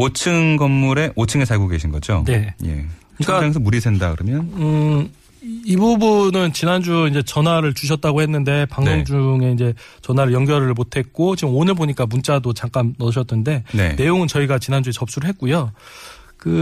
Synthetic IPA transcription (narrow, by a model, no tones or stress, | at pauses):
ot͡ɕʰɯŋɡʌmːuɾe̞ʔot͡ɕʰɯŋesʰaɭɡoɡe̞ɕʰinɡʌ̰d͡ʑo̰ne̞jḛ | ɯɲʰk͈aaŋes̬ʰʌmuɾisʰendakɯɾʌmjʌnɯ | ibubunɯnt͡ɕinɦand͡ʑuind͡ʑe̞t͡ɕʌnɦwaɾɯɭt͡ɕuɕ̬ʰʌt̚t͈aɡohe̞nːɯnde̞paŋoŋd͡ʑuŋe̞ind͡ʑe̞ | t͡ɕʌnwaɾɯɭjʌŋɡjʌɾɯɭmotʰe̞k̚k͈ot͡ɕiɡɯmonɯɭboɲik͈amunt͡ɕ͈adot͡ɕaŋk͈annʌɕʰʌt̚nɯnde̞nḛne̞joŋɯnt͡ɕʌiɡat͡ɕinɦand͡ʑuet͡ɕʌp̚s͈uɾɯɭɦet̚k͈ujo | kɯ